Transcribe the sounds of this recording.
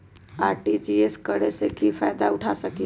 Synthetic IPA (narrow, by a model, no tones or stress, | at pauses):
aɾʈid͡ʒieskəɾesekifʰajd̪aʊʈʰasəki